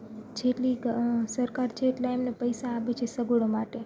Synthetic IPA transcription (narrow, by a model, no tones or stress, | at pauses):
d͡ʒeʈlisəɾkaɾt͡ʃʰeːʈlaemnepəjsaːʋet͡ʃʰesəɡɽomaʈe